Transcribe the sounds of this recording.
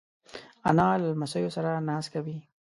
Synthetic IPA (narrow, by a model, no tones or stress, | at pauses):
a̰nɑlamasajosaɾanɑskawi